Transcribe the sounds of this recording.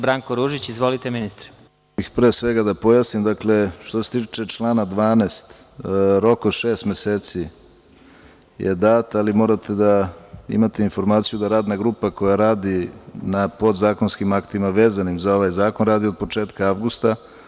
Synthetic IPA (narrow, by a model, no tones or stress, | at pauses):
bɾaŋkoɾuʒit͡ɕizʋolit̪eminist̪ɾe̥ | ixpɾeːsʋeɡad̪apo̞jasnimd̪akle̞ʃt̪ose̥t̪it͡ʃe̞t͡ʃlˠaːnad̪ʋaːneːst̪ɾo̞kod̪ʃeːst̪meseːt̪si | jʔed̪aːt̪alimo̞ːɾat̪ʰe̞d̪aḭmat̪einfo̞ɾmaːt̪sijud̪aɾaːd̪naɡɾuːpako̞jaɾaːd̪inapo̞d̪zaːko̞nskimakt̪imaʋe̞ːzanimzao̞ʋajzaːko̞nɾaːd̪io̞d̪̚po̞t͡ʃeːt̪kaaʋɡust̪a